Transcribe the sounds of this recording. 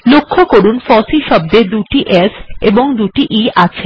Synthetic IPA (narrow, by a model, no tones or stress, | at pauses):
lokʰːokoɾunfɔsiʃɔb̚d̪ed̪uʈiʔeseboŋd̪uʈiʔiʔat͡ɕʰe